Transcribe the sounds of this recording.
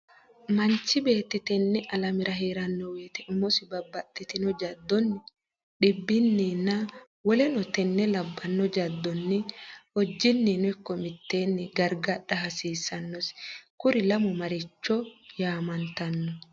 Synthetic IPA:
mɐnt͡ʃːɪbe̞ːt̪ːɪt̪ɛnːɛʔɐlɐmɪɾɐɦeːɾɐnːɔwe̞ːt̪ɛʔɪmːɔsɪbɐbːɐt̪ʼːɪt̪ɪnɔd͡ʒɐd̪ːɔnːɪ | ᶑɪbːɪnːinːɐ | wɔlɛnɔt̪ɛnːɛlɐbːɐnːɔd͡ʒɐd̪ːɔnːɪɔd͡ʒːɪnːɪnɔɛkːɔmɪt̪ːe̞ːnːɪɡɐɾɡɐᶑɐɦɐsiːsːɐnːɔskʊɾɪlɐmʊmɐɾɪt͡ʃːɔjaːmɐnt̪ɐnːɔ

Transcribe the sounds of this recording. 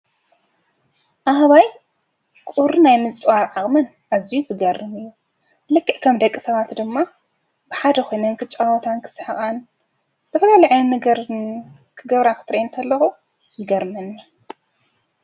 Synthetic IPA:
ʔaɦaβaj | kʼuɾɨnajmɨt͡sʼwaɾʕaχʼmɨn | ʔazijuzɨɡɐrːɨmɨjːu | lɨkːɨʕkʰɐmd̪ɐkʼːisɐβat̪d̪ɨmːa | bɨħad̪ɐkʰo̞jnɐnkʰɨt͡ʃʼawɔt̪ʰankʰɨ̥sħɨkʼan | z̥ʰɐfɐlaliʕɐnmɨɡɾ | kʰɨɡɐβɾakʰɨ̥t̪ʰɾɐjint̪ʰɐlːɐxu | jɪɡɐɾmɐnːi

